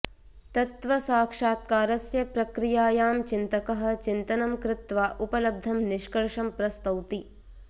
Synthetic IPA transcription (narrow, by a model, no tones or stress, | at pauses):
t̪ɐt̪ʋɐsaːkʂaːt̪̚kaːɾɐsjɐpɾɐkɾijaːjaːmt͡ʃint̪ɐkɐɦɐ̆t͡ʃint̪ɐnɐmkɾɪt̪ʋaːʔupɐlɐb̚d̪ʱɐmniʃkɐɾʂɐmpɾɐst̪ɐwt̪i